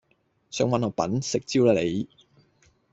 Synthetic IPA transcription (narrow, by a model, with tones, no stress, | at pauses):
sœː˧ŋwɐ˨nɔː˨˧˥pɐ̰˨˥nsɪ˨k̚t͡siː˥wlaː˧˩le˨˧j